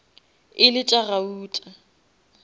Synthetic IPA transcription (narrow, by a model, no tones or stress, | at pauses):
ɪlɪtʼarauːtʼa